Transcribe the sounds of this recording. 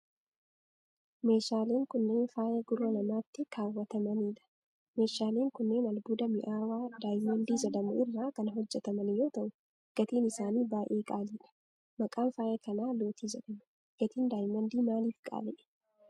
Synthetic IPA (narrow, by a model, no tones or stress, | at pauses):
me̞ːʃaːle̞ːŋkʊnːe̞ːnfaːjɐɡʊɾɐnɐmaːt̪ːɪkʰaːwːɐt̪ɐmɐniːᶑɐ̥ | me̞ːʃaːle̞ːŋkʊnːe̞ːnɐlbuːd̪ɐmɪʔaːwaːd̪aːjmɐnd̪iːzɐd̪ɐmʊʔɪrːaːkɐnɦɔd͡ʒːɛt̪ɐmɐnjo̞ːt̪ɐʔʊ | ɡ̥ɐt̪iːnɪsaːniːbaːʔeːɡʼaːliːᶑɐ̥ | mɐkʼaːnfaːjɐkɐnaːlo̞ːt̪iːzɐᶑɐmʊ | ɡ̥ɐt̪iːnd̪aːjmɐnd̪iːmaːliːfɡʼa̰ːlɛʔɛ̥